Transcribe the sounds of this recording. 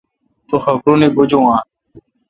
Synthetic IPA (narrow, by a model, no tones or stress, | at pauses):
t̪oːxəkɾõːnẽːbʊd͡ʒõːãː